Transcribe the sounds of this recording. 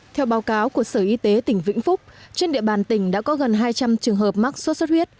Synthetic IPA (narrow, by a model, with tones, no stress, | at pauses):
t̪ʰɛ˧wɓaː˨˦wkaː˨˦wku˧˩əsəː˧˩ʔi˧t̪e˨˦t̪ï˧˩ŋ̟vḭ˧˥ŋ̟fʊ˦˥k͡p̚t͡ɕe˧nɗḭ˧˨əɓaː˨˩nt̪ï˧˩ŋ̟ɗa̰ː˧˥kɔ˨˦ɣə˨˩nɦaː˧jt͡ɕa˧mt͡ɕɨ˨˩əŋɦəː˨˩p̚ma˦˥k̚su˦˥t̚st̚hwi˦˥ət̚